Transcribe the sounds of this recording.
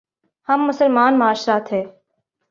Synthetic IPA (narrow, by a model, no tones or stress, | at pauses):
hɐmːʊsəlmaːnmaːʃɾaːt̪ɦɛː